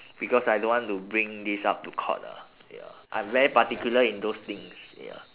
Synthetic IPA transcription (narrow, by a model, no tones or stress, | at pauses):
b̥ikɔsajdõnwɔ̃ntubɹĩŋdisa̰p̚tukʰɔ̰nə̰ | ja̰ʔã̰j̃mvɛɹipatikjuləĩndost̪ĩŋsja̰